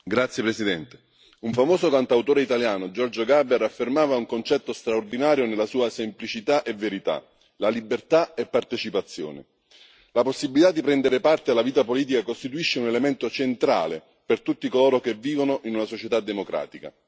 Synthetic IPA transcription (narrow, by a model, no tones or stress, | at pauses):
ɡɾat̪sːjepɾesid̪ɛnt̪e̥ | uɱfamoːsokant̪awt̪oːɾeit̪aljaːnod͡ʒɔrd͡ʒoɡabeɾafːermaːvauŋkont͡ʃɛt̪ːost̪ɾaord̪inaːɾjonelːasuːasemplit͡ʃit̪aʔeveɾit̪a̰ | lalibert̪aepːart̪et͡ʃipat̪sːjo̰ːnḛ | laposːibilit̪ad̪ːipɾɛnd̪eɾepart̪ealːaviːt̪apoliːt̪ikakost̪it̪uiʃːeunelement̪ot͡ʃent̪ɾa̰ːle | pert̪ut̪ːikoloːɾok̟evːiːvonoʔinunasot͡ʃet̪ad̪ːemokɾa̰ːt̪ika̰